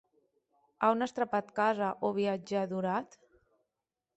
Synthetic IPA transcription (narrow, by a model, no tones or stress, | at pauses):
aunast̪ɾapat̪kazaʔoβ̞iad͡ʒaðuɾat̪